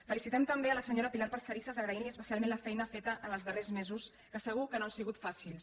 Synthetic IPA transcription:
fəlisit̪ɛmt̪əmbeələsəɲoɾəpilaɾpəɾsəɾisəzəɣɾəiliəspəsalmẽnləfɛjnəfet̪əʔənəlˠzðərezmezus | kəsəɣ̞ukənoansiɣut̪fasilˠs

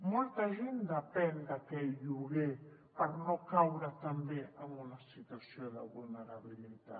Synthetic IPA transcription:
mult̪aʒind̪apend̪akejuɣepaɾnokawɾat̪ambjeʔamunasit̪wasjolaβulneɾaβilit̪a̰

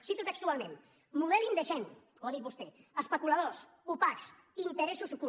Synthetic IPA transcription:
sit̪ut̪ekst̪ualmẽn | muðɛlind̪eʃɛn | oðiβust̪eespekulaðos | upaks | int̪eɾɛsusku

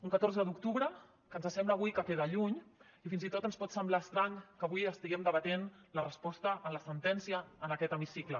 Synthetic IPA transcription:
uŋkət̪oɾzəd̪uk̚t̪uβɾə | kənzəsɛmbləːβ̞ujkəfeðəʎuɲ | ifinzit̪ot̪ənspɔt̪səmblaəst̪ɾaŋkəβujəst̪iɣɛmd̪əβət̪enlərəspɔst̪əʔənləsənt̪ɛnsiəːnəkɛt̪əmisiklə

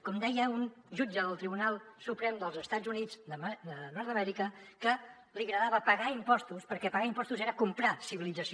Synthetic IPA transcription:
kɔmd̪ɛjəun | ʒud͡ʒəðəlˠt̪ɾiβunalˠsupɾɛmd̪əlˠzəst̪ad͡zunid͡zdəmd̪ənɔɾðəmɛɾikəkə | liɣɾəðaβəpəɣaimpɔst̪uspəɾkɛpəɣaimpɔst̪uzeɾəkumpɾasiβilid͡zəsi

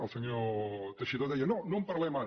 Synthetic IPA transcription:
əlˠsəɲot̪əʃiðoðɛjɐnonõmpɐɾlɛma

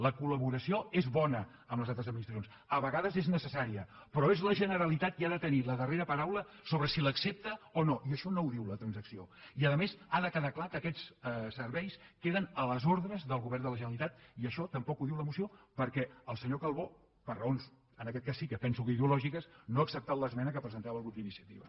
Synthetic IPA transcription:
ləkuləβuɾəsioezβɔnə | əmləzalˠt̪ɾəzəd̪minist̪əs̬ons | əβəɣaðəzeznəsəsaɾiəpɾɔezləʒənəɾəlit̪at̪iaðət̪əniləðəreɾəpəɾawlə | soβɾəsiləksep̚t̪əonoʔiəʃɔnouðiwlət̪ɾənzəksioiəðəmezaðəkəðaklakəkɛt͡ssəɾβɛjskeðənələzoɾðɾəzðəlˠɣuβɛrnd̪ələʒənəlit̪at̪̚iəʃɔt̪əmpɔkuðiwləmusiopəɾkɛəlˠsəɲokəlˠβo | pərəons | ənəkɛt̪̚kasːikəpɛnsukəiðəulɔʒikəsnoəksəp̚t̪awləzmɛnəkəpɾəzənt̪aβəlˠɣɾup̪inisiət̪ḭβə̰

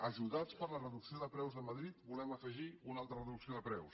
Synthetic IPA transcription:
əʒuðat͡spəɾlərəðuksioðəpɾɛwzðəməðɾit̪bulɛməfəʒiunalˠt̪ɾərəðuksioðəpɾɛws

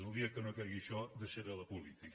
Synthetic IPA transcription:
əlˠd̪iəkənokɛɾɣiʃɔd̪əseɾələpulit̪ik

